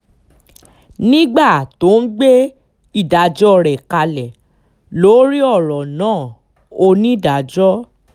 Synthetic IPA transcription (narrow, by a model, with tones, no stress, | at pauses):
nĩ˦ɡ͡ba˦˨to˨˦n̩˦ɡ͡be˦ | i˦˨da˨d͡ʒɔ˦ɾɛ˨ka˧lɛ˨ | lo˨˦ɾi˦ɔ˦˨ɾɔ˨nãː˦˨ | o˧nĩ˦da˨d͡ʒɔ˦